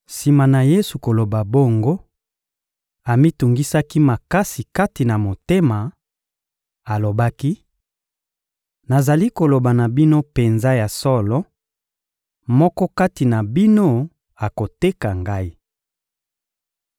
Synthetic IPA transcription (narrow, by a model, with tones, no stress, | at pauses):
si˨ma˨na˨je˦su˨ko˨lo˨ba˨bo˦ŋɡo˦ | a˨mi˦tu˨ŋɡi˦sa˦ki˦ma˨ka˦si˨ka˦ti˨na˨mo˨te˦ma˨ | a˨lo˨ba˦ki˦ | na˨za˨li˦ko˨lo˨ba˨na˨bi˦no˦pe˨nza˦ja˨sɔ˦lɔ˦ | mɔ˦kɔ˦ka˦ti˨na˨bi˦no˦ | a˨ko˨te˦ka˨ŋɡa˦i˦